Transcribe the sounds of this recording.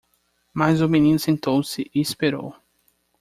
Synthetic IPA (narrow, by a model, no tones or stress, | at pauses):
mazʊminĩnʊsẽnt̪owsɪʔɪispeɾo̰w